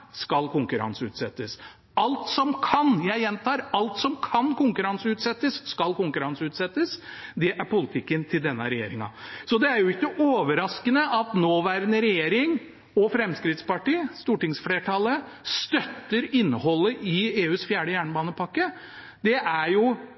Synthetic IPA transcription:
skɑlkʰʊŋkʉɾɑ̰nsəʉ̰ːt̪sɛt̪ːəs | ɑlt̪sɔmkʰɑnjæɪjɛnt̪ʰɑːɾɑlt̪sɔmkʰɑnkʊŋkʉɾɑnsəʉːt̪sɛt̪ːəsːkɑlkʊŋkʉɾɑnsəʉːt̪sɛt̪ːəsd̪ɛʔæɾpʊlɪt̪ʰɪkːənt̪ʰɪld̪ɛnːə̰ɾɛjḛːɾɪŋɑ̰sɔd̪ɛæɾjʊɪkːəʔoːʋəɾɑskənəʔɑt̪noːʋæɾnəɾɛjeːɾɪŋ | ɔfɾɛmskɾɪt̪spɑʈiːst̪uːʈɪŋsfleːʈʰɑlːə | st̪œt̪ːəɾɪnːəɦɔlːəʔɪeːʉːsfjæːɖəjæːɳəbɑːnəpʰɑkːə | d̪ɛʔæɾjʊ

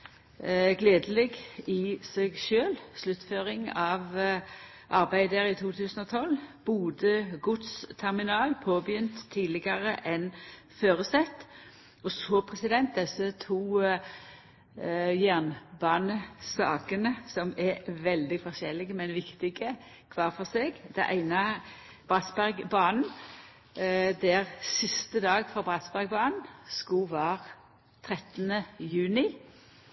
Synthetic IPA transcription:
ɡleːd̪əlɛɡɪseɡʃøːlslʉt̪ːføːɾɪŋɑʋ | ʔɑɾbæɪd̪əɾɪt̪ʰuːt̪ʰʉːsənɔt̪ʰɔlb̥uːd̪əɡʊt̪st̪ʰɛɾmɪnɑːlpʰoːbjʏnt̪ʰːiːd̪lɪɡɑɾəʔɛn | føːɾəsɛt̪ː | ɔsɔpʰɾɛsɪd̪ɛnt̪̚d̪ɛsːət̪ʰuː | jæʁnbɑːnəsɑːkənəsɔmɛɾʋɛld̪ɪfɔʃɛlːɪɡəmɛnʋɪkt̪ɪɡə | kʰʋɑːɾfɔseːɡd̪̥ɛʔæɪnɑ | b̥ʁɑsbæɾɡbɑːnn̩ | d̪æʁsɪst̪əd̪ɑːɡfɔɾbʁɑsbæɾɡ̚bɑːnn̩skuːʋɑːʁ | t̪ʰɾɛt̪ənəjʉːnɪ

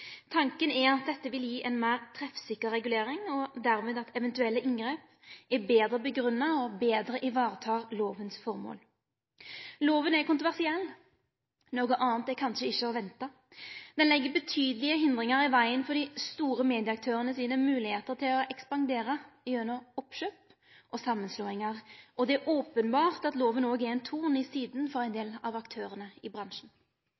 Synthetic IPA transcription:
t̪ʰɑŋkənɛɾɑt̪̚d̪ɛt̪ːəʋɪljiːʔɛnmæːʁt̪ʰɾɛfsɪkːəːɛɡʉleːɾɪŋɔd̪æɾmeːd̪ɑt̪ʰɛʋɛnt̪ʉɛlːəʔɪŋɡʁeːp | ɛbeːd̪ɾəbəɡɾʉnːɑɔbeːd̪ɾəʔɪʋɑːʁət̪ʰɑːʁloːʋənsfɔʁmo̰ːl | loːʋənɛkʊnt̪ʁʊʋæʁsɪɛlː | noːɡəʔɑːnt̪ɛkʰɑnʃəɪçːəɔʋɛnt̪ɑ | d̪ɛnlɛɡːəbət̪ʰyːd̪əlɪəɦɪnd̪ʁɪŋɑʁɪʋæɪənfɔd̪ist̪uːʁəmeːd̪ɪəɑk̚t̪ʰøːʁənəsiːnəmʉːlɪheːt̪əʁt̪ʰɪlɔɛkspɑnd̪eːɾəɪønəɔpʃøːp | ʔɔsɑmːənsloːɪŋɑʁɔd̪ɛæɾʔoːpənbɑːʁt̪ɑt̪loːʋənoːɡɛɛnt̪ʰuːʁnɪsiːd̪nfɔʁæɪnd̪eːlɑ̰ʋɑkt̪ʰøːʁənəɪbʁɑnʂn̩

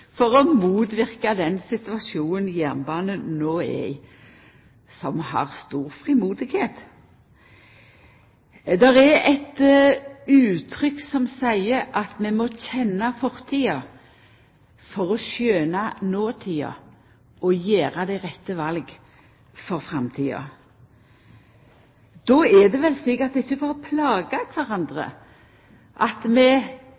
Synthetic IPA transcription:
fɔʁɔmuːt̪ʋɪʁkɑd̪ɛnsɪt̪ʉɑsuːnənjæʁnbɑːnənoːæ̰ɪ | sɔmhɑ̰ʁst̪uːʁfʁɪmuːd̪ɪɡheːt̪ | d̪ɛʁɛɾɛt̪ | ʉːt̪ʰʁʏksɔmsæɪəɾɑt̪mɛmɔçɛnːɑfɔʁt̪ʰiːɑ | fɔʁɔʃjøːnɑnoːt̪ʰiːɑ̰ | ɔjeːʁɑd̪ɛʁɛt̪ːəʋɑlɡ | fɔʁfʁɑmt̪ʰiːɑ̰ | d̪̥ɔɛd̪ɛʋɛlsɪkət̪ɪçːəfɔɾɔpʰlɑːɡɑkʰʋæʁɑnd̪ʁə̰ | ʔɑt̪mɛ

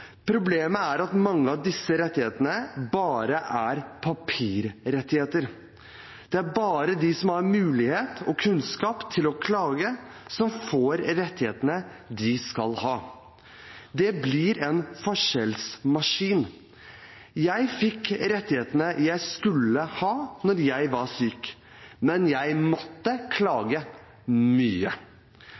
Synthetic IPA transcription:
pʰɾʊbleːməæɾɑt̪mɑŋːəɑʋd̪ɪsːəɾɛt̪ːɪheːt̪ənəbɑːɾəʔæɾpʰɑpʰiːɾɾɛt̪ːɪheːt̪əɾ | d̪̥ɛæɾbɑːɾəd̪ɪsɔmhɑɾmʉːlɪheːt̪ɔkʰʉnskɑːpt̪ʰɪlɔkʰlɑːɡəsɔmfoːɾɾɛt̪ːɪheːt̪ənəd̪ɪskɑlhɑː | d̪ɛblɪɾɛnfɔʂɛlsmɑʂiːn | jæɪfɪkɾɛt̪ːɪheːt̪ənəjæɪskʉlːəhɑːnɔɾjæɪʋɑɾʂyːk | mɛnjæɪmɔt̪ːəkʰlɑːɡə | myːə

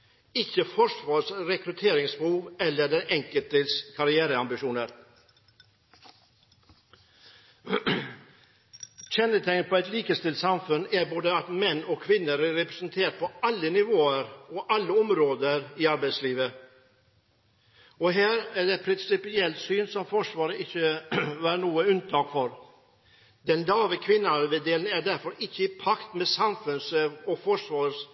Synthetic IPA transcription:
ɪçəfɔʂʋɑːʂɾɛkɾʉt̪ʰeːɾɪŋsbuːʋɛlːəɖ̪ɛnʔɛŋkəlt̪əskʰɑɾɪæːɾəɑmbɪʂuːnəɾ | çɛnət̪ʰɛŋəpʰɔɛt̪liːkəst̪ɪlt̪sɑmfʉnæɾboːd̪əɑt̪mɛnːɔkʰʋɪnːəɾæːɛpɾɛsnt̪ʰeːʈ̚pʰɔɑlːənɪʋoːəɾɔʔɑlːəɔmɾoːd̪əɾɪɑɾbæɪsliːʋə | ɔɦæːɾæɖɛt̪pʰɾɪnsɪpɪɛlt̪syːnsɔmfɔʂʋɑːɾəʔɪçːəʋɑːnuːəʉnt̪ʰɑːkfɔɾ | d̪ɛnlɑːʋəkʰʋɪnːɑʋɛd̪eːln̩æɖæɾfɔɾɪçːəɪpʰɑkt̪mɛsɑmfʉnsəʋɔfɔʂʋɑːɾs

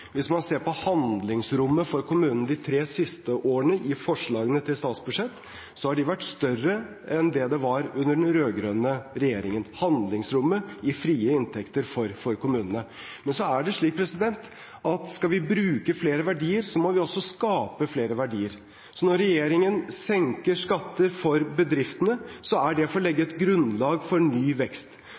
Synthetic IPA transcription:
ʋɪsmɑnseːɾpɔhɑnd̪lɪŋsɾʊmːəfɔɾkʰʊmʉːnən̩əd̪ɪt̪ʰɾeːsɪst̪əʔoːəɳəʔɪfɔʂɭɑːɡənət̪ʰɪlst̪ɑːt̪sbʉʂɛt̪ː | sɔhɑɖɪʋæʈːst̪œrə | ɛnd̪ɛd̪ɛʋɑɾʉnːəɖɛnɾøːɡɾøːnəɾɛjeːɾɪŋənhɑnd̪lɪŋsɾʊmːəɪfɾiːəɪnt̪ʰɛkt̪əɾfɔɾfɔɾkʊmʉːnənə | mɛnsɔæɖɛʂɭiːk̚pʰɾɛsɪd̪ɛnt̪ | ʔɑt̪skɑʋɪbɾʉːkəfleːɾəʋæɖiːəɾsɔmɔʋɪɔsːɔskɑːpəfleːɾəʋæɖiːəɾ | sɔnɔɾːɛjeːɾɪŋənsɛŋkəɾʂkɑt̪ːəɾfɔɾbəd̪ɾɪft̪ənəsɔæɖɛɔfoɾlɛɡːəɛt̪ɡɾʉnlɑːɡfɔɾɳyːʋɛkst̪

